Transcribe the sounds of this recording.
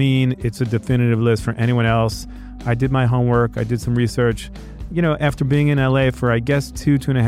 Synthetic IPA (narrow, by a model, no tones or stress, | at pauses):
ĩnɪtsɨdɨfɪnɨɾɨvlɪstfə˞ʔɛɾ̃iwʌ̃ñɛlˠs | aɪdɨd̚maɪɦõʊ̃mwɜ˞kaɪdɨd̥sʌ̃mɹisɜ˞t͡ʃ | jɨɾ̃ñoʊʔæftə˞biɪ̃ŋɨ̃nɛlˠeɪfə˞aɪɡɛstʰʉtʰʉ̃ñɨ